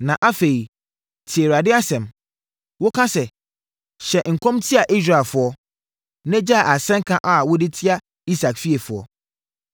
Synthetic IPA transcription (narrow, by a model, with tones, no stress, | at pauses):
nã˨ʔa˦fe˨i˨ | tʰɪ˨e˨ɾa˨dɪ˦a˦sɛ̃˨m | wʊ˦kʰã˦sɛ˨ | ɕɛ˨ŋ̩˨kʰɔ̃˦mtʰɪ˦a˨ʔi˦sɾa˨fʊ˨ɔ˦ | nɛ̃˦d͡ʑa˦˨a˨sɛ̃˦ŋ˦kʰã˦ʔa˨wʊ˦dɪ˦tʰɪ˦a˦ | i˦sa˨kfi˦e˨fʊ˨ɔ̰˦